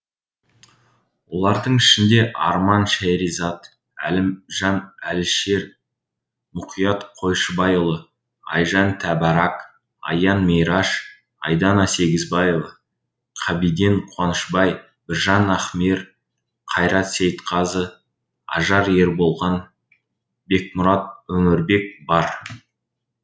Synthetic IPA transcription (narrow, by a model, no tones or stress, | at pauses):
wo̞lˠɑɾd̪əɴɪʃɪnd̪e̞ʔɑ̰ɾmɑnʃæjɾizɑt̪ | æ̰lɪmʒɑnælʃe̞ɾ | mʊqʰijɑt̪qʰo̞jʃəbɑjolˠə | ɑ̰jʒɑnt̪ʰæbɑɾɑk | ɑ̰jɑnmejɾɑʃ | ɑ̰jd̪ɑnɑse̞ɡʲɪzbɑjevə | qʰɑbid̪eɴqʰwɑnəʃbɑj | bɪɾʒɑnɑχmeɾ | qʰɑjɾɑt̪se̞jt̪qʰɑzə | ɑ̰ʒɑɾje̞ɾbo̞lˠʁɑn | be̞k̚mʊɾɑt̪̚wɵŋɪɾbe̞k̚bɑɾ